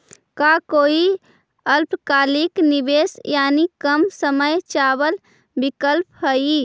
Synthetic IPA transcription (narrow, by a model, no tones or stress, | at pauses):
kakoi | əlpkaliknibesjanikəmsəməjt͡ʃabəl | bikəlpɦəi